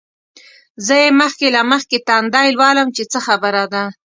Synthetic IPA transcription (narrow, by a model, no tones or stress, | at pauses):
zəjeməxkelaməxket̪ɑnd̪ɑjlwɑləmt͡ʃet͡səxabəɾad̪a